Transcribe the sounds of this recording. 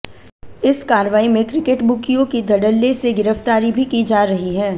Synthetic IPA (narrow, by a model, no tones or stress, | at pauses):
ɪskaːɾʋaːimẽkɾɪkeʈbʊkijõkid̪ʱɐɖəlːeseɡɪɾəft̪aːɾibʱikid͡ʒaːɾɐɦiɦɛː